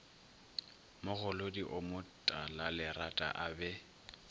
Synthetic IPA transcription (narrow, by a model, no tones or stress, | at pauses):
mʊɣʊlodiʔʊmʊtʼalalɪratʼa̰ʔabɛ